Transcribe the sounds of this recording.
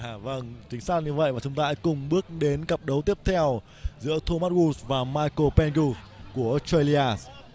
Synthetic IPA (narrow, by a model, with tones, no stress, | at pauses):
a˧˩və˧ŋt͡ɕï˨˦ŋ̟saː˦˥t̚ɲɨ˧və̰˧˨jvaː˨˩t͡ɕʊ˨˦ŋ͡mt̪aː˧kʊ˨˩ŋ͡mɓɨ˦˥ək̚ɗe˨˦nkə˨˩p̚ɗə˨˦wt̪i˦˥əp̚t̪ʰɛ˧w | zɨ̰˧˥ət̪ʰo˧maː˦˥t̚ɣu˧svaː˨˩maː˧jko˧pɛ˧nku˧s | ku˧˩əʔstə˧li˧aː˧s